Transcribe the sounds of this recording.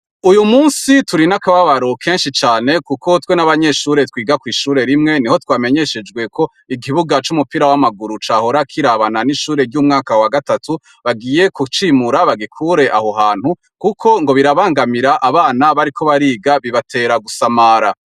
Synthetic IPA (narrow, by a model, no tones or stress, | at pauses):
ujumuːnsituɾinakaβaβaɾokʰe̞ːnʃit͡ʃaːne̞kuko̞twenaβaɲe̞ʃuːɾe̞twiːɡakwiːʃuːɾe̞ɾimŋe̞niho̞twaːme̞ɲe̞ʃe̞d͡ʒɡwe̞kʰo̞ | iɡiβuɡat͡ʃumupiɾawamaɡuɾut͡ʃaːho̞ɾakʰiɾaβananiʃuːɾe̞ɾɟuːmŋaːkawaɡatatu | βaɡiːje̞kut͡ʃimuɾaβaɡikʰuɾe̞ʔa̰ho̞ɦaːn̥hu | kukʰo̞ŋɡo̞βiɾaβaːŋɡamiɾaʔaβaːnaβaɾikʰo̞βaɾiːɡaβiβatʰe̞ːɾaɡusamaːɾa